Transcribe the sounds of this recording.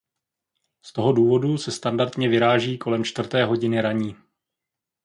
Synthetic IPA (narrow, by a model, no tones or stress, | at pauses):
st̪o̞ɦo̞duːvo̞dusɛst̪andaɾt̪ɲɛvɪɾaːʒiːkʰo̞lɛmt͡ʃt̪vr̩t̪ɛːɦo̞ɟɪnɪɾaɲiː